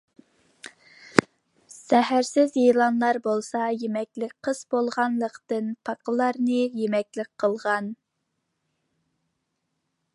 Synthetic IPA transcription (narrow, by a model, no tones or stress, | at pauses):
sɛɦæɾsɪzjelˠɑnlˠɑɾbolˠsɑjemɛkʲlɪk̚ʲqʰəz̥bolˠʁɑnlˠəqt̪ɨnpʰɑqʰəlˠɑɾnɨjemɛkʲlɪk̚ʲqʰəlˠʁɑn